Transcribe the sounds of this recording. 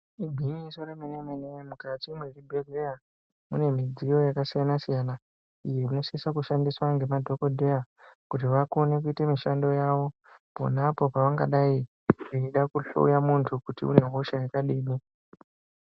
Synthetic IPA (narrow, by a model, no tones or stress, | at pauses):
ibʱiɲisoremenemenemukatimweribʱereja | mune̞mid͡zijo̞jakasijanasijana | ije̞ino̞sikisakuʃandiswaŋɡe̞madʱo̞ko̞dʱe̞ja | kutiʋakone̞kuitemiʃando̞jaʋo̞ | po̞̰napo̞paʋaŋɡaɗai | riiɗakuɬo̰ujamuntʰukutḭṵne̞ɦoʃajekaɗiːmi